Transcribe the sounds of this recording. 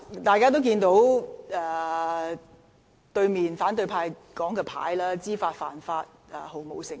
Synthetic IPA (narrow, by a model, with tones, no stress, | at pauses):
t̪aː˨jkaː˥t̪o˥wkiː˧nt̪o˨˥wɛː˨˩ | t̪ɵ˧ɥmiː˨nfaː˨˥nt̪ɵ˧pʰaː˧jkɔː˨˥ŋkɛː˧pʰa̰ː˨˥jlaː˥t͡siː˥faː˧t̚faː˨˩nfaː˧t̚ɛː˨˩ho˨˩wmo̰˨˧wsɪ˨˩ŋ